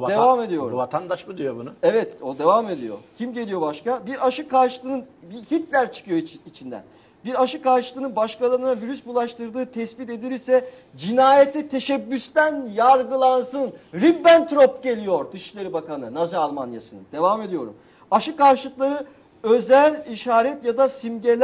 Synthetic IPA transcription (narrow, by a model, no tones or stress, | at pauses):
d̪evame̞d̪ijo̞ɾuvat̪ʰand̪aʃmud̪ijobunʊevɛt̪od̪e̞vame̞d̪ḭjo̞̰cʰimɟe̞lʲijo̞baʃkabiɾaʃɯkaɾʃɯlˠɯnɯnbihit̪lʲæɾt͡ʃʰɯ̥kʰɯjo̞it͡ʃʰind̪æ̰n | biɾaʃɯkaɾʃɯlˠɯːnɯnbaʃkalˠaɾɯnaviɾysbulˠaʃt̪ʰɯɾd̪ɯːt̪ʰɛsbit̪e̞d̪iɾisɛ | d͡ʒinaːjɛt̪ʰːɛt̪ʰe̞ʃɛbːyst̪ænjaɾɡɯlˠansɯnɾibːænt̪ɾopɟe̞lʲijo̞ɾd̪ɯʃʃlˠeɾɯbakanɯnazaːlˠmanja̰sɯnɯ̰nd̪e̞vaːme̞d̪ʲijo̞̰ɾṵm | aʃɯkaɾʃlˠɯklˠaɾɯ | ø̞zælʲiʃaːɾɛt̪jad̪asimɟelʲ